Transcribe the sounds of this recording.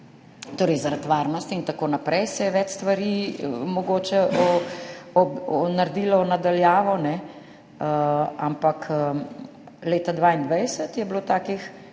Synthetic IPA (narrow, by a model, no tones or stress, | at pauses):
t̪oːɾɛjzaɾat̪ʋaɾnɔst̪int̪akoːnapɾʔɛjsɛjɛʋɛt͡ʃst̪ʋaɾimɔɡoːt͡ʃɛʔɔ | ɔɔnaɾd̪iːlɔɔnad̪aljaːʋɔnɛ | ampakʰ | leːt̪ad̪ʋaːind̪ʋajsət̪jɛbloːt̪aːkix